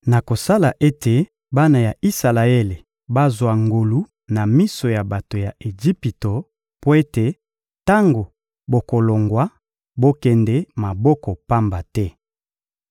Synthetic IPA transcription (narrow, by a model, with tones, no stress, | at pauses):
na˨ko˨sa˦la˨ʔe˦tʰe˨ | ba˦na˨ja˨i˦sa˨la˨e˦le˨ | ba˦zwa˨ŋɡo˨lu˨˦ | na˨mi˦so˨ja˨ba˨to˨ja˨ʔe˨ʒi˦pi˨to˨ | po˦e˦te˨ | ta˦ŋɡo˨ | bo˨ko˨lo˨ŋɡwa˦ | bo˦kɛ˨ndɛ˦ma˨bɔ˦kɔ˨pa˦mba˨tɛ˦